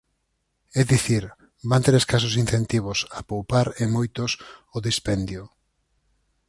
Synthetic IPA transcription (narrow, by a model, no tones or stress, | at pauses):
ɛðiθiɾ | bant̪eɾeskasos̬inθent̪iβ̞osapowpaɾemojt̪osoðispɛnd̪jʊ